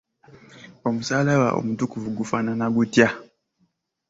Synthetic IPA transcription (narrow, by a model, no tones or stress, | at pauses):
ɔmusalaβa̰ʔo̰mutukuvuɡufananaɡutja